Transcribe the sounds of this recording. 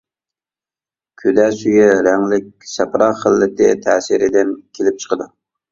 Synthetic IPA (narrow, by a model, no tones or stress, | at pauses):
kʲʰød̪ɛsyjɛɾæŋlɪk̚ʲsɛpɾɑχəlːɪt̪ʰɪt̪ʰɛːsɪɾɪd̪ɪnkʲʰelɪp̚t͡ʃʰə̥qəd̪u